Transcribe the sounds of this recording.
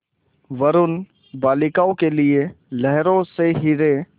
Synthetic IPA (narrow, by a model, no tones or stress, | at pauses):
ʋɐɾʊn | baːlɪkaːõkelɪe | lɛɦɾõseɦɪɾe